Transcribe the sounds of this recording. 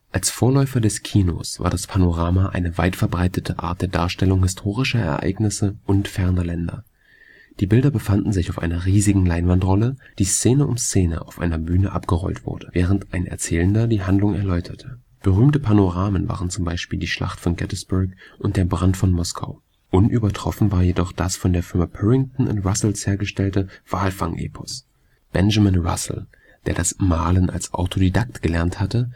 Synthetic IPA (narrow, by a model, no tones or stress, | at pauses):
ʔalsfoːɐlɔʏfɐdɛskʰiːno̰sv̥a̰ːɐdaspʰanoʁaːmaʔa̰ɪnəvaɪtfɛɐbʁaɪtətʰəʔa̰ːɐt̚d̥eːɐda̰ːɐʃtɛlʊŋɦɪstʰoːʁɪʃɐɛ̰ɐʔa̰ɪɡnɪsəʔʊntfɛɐnɐlɛndɐ̰ | d̥iːbɪldɐbəfandn̩zɪçaʊfʔa̰ɪnɐʁiːzɪɡŋ̩laɪnvantʁɔləd̥iːst͡seːnəʔʊmst͡seːnə̰ʔa̰ʊfʔa̰ɪnɐbyːnəʔa̰pɡ̥əʁɔ̰ltv̥ʊ̰ɐdəvɛːʁ̞əntʔaɪnɛ̰ɐt͡sɛːləndɐdiːɦandlʊŋɛ̰ɐlɔʏtʰɐtʰə | b̥əʁyːmtəpʰanoʁaːmənva̰ːʁənt͡sʊmbaɪʃpiːldiːʃla̰χtfɔnɡɛtəsb̥ʊɐkʔʊntd̥eːɐbʁantfɔnmɔskʰa̰ʊ | ʔʊnʔyːbɐtʁ̥ɔfn̩vaːɐjedɔχd̥asfɔndeːɐfɪɐmapʰɛʁɪŋtn̩ʔʊ̰ntʁasl̩sheːɐɡəʃtɛltəv̥aːlfaŋʔḛːpʰɔ̥s | b̥ɛnʒamɪnʁa̰sl̩ | d̥eːɐdasmaːlənʔa̰lsʔa̰ʊtʰodidak̚tɡ̥əlɛɐnthatə